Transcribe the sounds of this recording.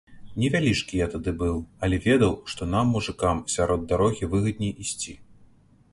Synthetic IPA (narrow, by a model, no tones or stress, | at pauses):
nʲɛvʲalʲit͡ʂkʲijat̪ad̪ɨbɨwɐlʲɛvʲɛd̪ɐwʂt̪ɔnamːuʐɨkamsʲaɾɔd̪d̪aɾɔɣʲivɨɣɐd̪̚nʲɛʔisʲt͡sʲi